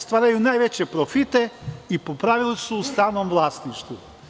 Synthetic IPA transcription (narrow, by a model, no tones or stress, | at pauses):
st̪ʋaːɾajunaːjʋe̞t͡ɕepɾo̞fit̪e̞ipopɾaːʋilisuːst̪aːʋnomʋlˠaːst̪niʃt̪ʋu